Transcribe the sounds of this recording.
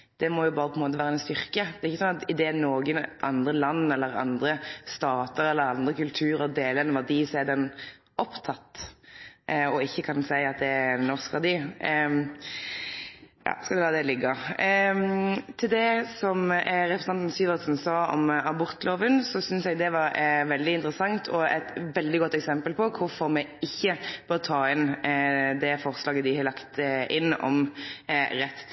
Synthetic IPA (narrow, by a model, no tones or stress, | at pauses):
d̪̥ɛmɔjʊpbɑːɾəpʰɔɛnmoːt̪əʋæːɾəɛnst̪ʏɾkəd̪ɛɾɪçəsɔnɑt̪ɪd̪eːnoːɡənʔɑ̰nd̪ɾəlɑnːɛlːəɾɑ̰nd̪ɾəst̪ɑːt̪əɾɛlːəɾɑnd̪ʁəkʉlt̪ʰʉːɾəd̪eːləɾɛnʋæd̪iːsɔɛd̪ɛn | ʔɔpt̪ʰɑt̪ː | ʔɔɪçːəkʰɑnsæɪɑt̪̚d̪ɛænːɔʁskʋɑʁd̪iː | jɑ̰ːskɑld̪ɛlɑːd̪ɛlɪɡːɑ | t̪ʰɪld̪ɛsɔmɾɛpʰɾəsnɑnt̪n̩syːʋəʁsn̩sɑːɔ̰mɑbʊɾt̪loːʋənsɔsʏnsjɛɡd̪ɛʋɑɾʋɛld̪ɪɪnt̪ɾəsɑŋt̪ʰɔɛ̰t̪ʋɛld̪ɪɡɔt̪ːɛksɛmpəlpʰɔkʰʊɾfɔɾmɛɪçːəb̥øːt̪ʰɑːɪn | d̪ɛfɔʁslɑːɡəd̪ɪhɑlɑkt̪ɪnːɔ̰m | ɾɛt̪ː